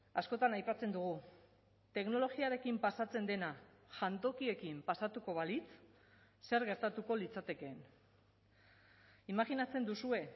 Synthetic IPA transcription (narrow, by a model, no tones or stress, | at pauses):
asko̞t̪anajpat͡se̞nd̪uɣ̞u | t̪e̞kno̞lo̞ɣiaɾe̞kimpasat͡se̞nd̪e̞na | ʝant̪o̞kie̞kimpasat̪uko̞βalit͡s | se̞ɾɣe̞ɾt̪at̪uko̞lit͡sat̪e̞ke̞ːn | imaɣinat͡se̞nd̪usue̞